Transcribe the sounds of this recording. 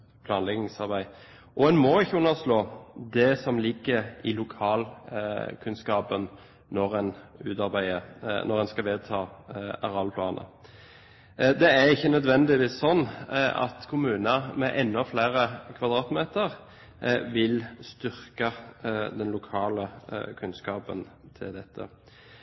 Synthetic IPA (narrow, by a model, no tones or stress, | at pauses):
pʰlɑːnlɛɡnɪŋsɑʁbæɪ | ʔɔɛnmɔɪçːəʉnːəʁsloːd̪ɛsɔmlɪɡːəɾɪlʊkʰɑːl | kʰʉnskɑːpən | nɔʁɛnʉ̰ːt̪ɑʁbæɪənʔɔʁɛnskɑʋeːd̪̚t̪ʰɑːɑʁɑlpʰlɑːnʔə̰ | d̪ɛæɾɪçːənœd̪ʋɛnd̪ɪʋiːssɔnːɑ̰t̪kʰʊmʉːnɑmɛʔɛnːɔfleːɾəkʰʋɑd̪ɾɑːt̪meːt̪əʁ | ʋɪlst̪ʏʁkɑd̪ɛnlʊkʰɑːləkʰʉnskɑːpə̰nt̪ʰɪ̰ld̪ɛt̪ʰːə̰